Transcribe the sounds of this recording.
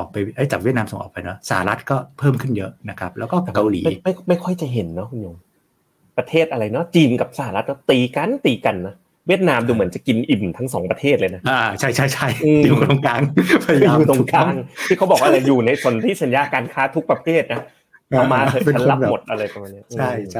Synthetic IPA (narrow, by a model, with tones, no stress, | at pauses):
ʔɔː˨˩k̚pa˧jʔa˦˥˩jt͡ɕa˨˩wi˥˩t̪̚naː˧mso˨˦ŋʔɔ̰ː˨˩pa˧jnɔ˦˥sa˧˩ha˦˩ɾa˦˥t̪̚kɔː˥˩pʰɤː˥˩mkʰɯ˥˩njɤ˦˥na˦˥kʰa˦˥p̚lɛ˦˥wkɔː˥˩a˨˩kːa˧wliː˩ma˥˦ma˥˩ma˥˩jkʰɔ˥˩jt͡ɕa˨˩ɦe˩˦nːɔ˦˥kʰu˧njo˧m | pɾa˧t̪ʰeː˥˩t̪ʔa˧ɾa˧jnɔ˦˥t͡ɕiː˧nka˨˩p̚sa˧˦a˧ɾa˦˥t̪̚nɔ˦˥t̪iː˧˩ka˧nt̪iː˧˩ka˧nːa˦˥ | wi˥˩ət̪̚naː˧mduː˧mɯ˩˦ənt͡ɕa˨˩ki˧nʔi˨˩mt̪ʰa˦˥ŋsɔː˩˦ŋpɾa˧t̪ʰeː˥˩t̪̚lɤː˧jna˦˥ʔaː˧t͡ɕʰa˥˩jt͡ɕʰa˥˩jt͡ɕʰa˥˩jʔɯː˧i˧o˧ŋkaː˧ŋpa˧jlo˧ŋkaː˧ŋt̪ʰiː˥˩a˦˥wbɔː˨˩˧k̚ʔa˧ɾa˧jjuː˨˩na˧jso˧nt̪ʰiː˥˩sa˨˦njaː˧kaː˧nkʰaː˦˥t̪ʰu˦˥k̚pɾa˧pʰeː˥˩t̪̚na˦˥ | ʔa˧˩maː˧ea˧˦nla˦˥˨mo˨˩t̪̚ʔa˧ɾa˧jt̪ɔ˧ŋmaː˧nːi˦˥˧ʔɯt͡ɕːa˥˩jt͡ɕʰa˥˩